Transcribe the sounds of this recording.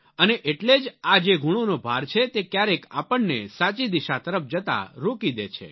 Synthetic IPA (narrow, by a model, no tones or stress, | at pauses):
əneʔeʈled͡ʒad͡ʒeɡʱuɽ̃onobʱaɾt͡ʃʰet̪ekjaɾeka̰pəɳnesat͡ʃid̪iʃat̪əɾəp̚ʰd͡ʒət̪a̰ɾokid̪ḛt͡ʃʰḛ